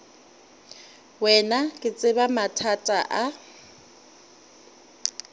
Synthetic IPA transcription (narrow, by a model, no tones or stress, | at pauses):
wɛnakʼɪt͡sʼɪbamatʰatʼaʔa